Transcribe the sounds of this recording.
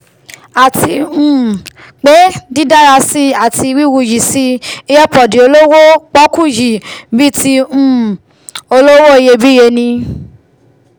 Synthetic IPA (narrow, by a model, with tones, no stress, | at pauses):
a˨tʰi˧ũ˦˨ | k͡pe˨˦di˦da˦ɾa˧si˦a˨ti˧wi˦wu˧˨ji˨si˧i˧˦ɛ˦pɔ˨di˨o˧lo˦wo˦k͡pɔ˦ku˦˨ji˨bi˦ti˧ũ˦˨ | o˧lo˦wo˦i˧je˧bi˦je˧nĩ˧